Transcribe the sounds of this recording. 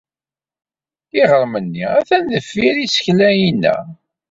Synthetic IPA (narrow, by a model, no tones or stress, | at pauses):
iʁəɾˤmənːiæθænðəfːiɾisə̥çlæjinːæ̰